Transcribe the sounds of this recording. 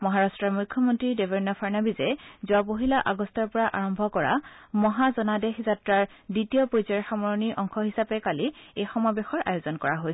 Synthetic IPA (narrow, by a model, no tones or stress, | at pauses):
mɔɦaɹastɹaɹmukʰːɔmɔntɹidebɔɹnɔpʰaɹnabizɛzuapoɦilaʔaɡɔstɔɹpɔɹaʔaɹɔmbʱɔkɔɹa̰mɔɦazɔnadexzatɹaɹ | ditiɔpojzaɹxamɔɹɔniʔɔŋkʰɔɦisapɛkaliejxɔmabexɔɹʔa̰jozɔnkɔɹaɦoj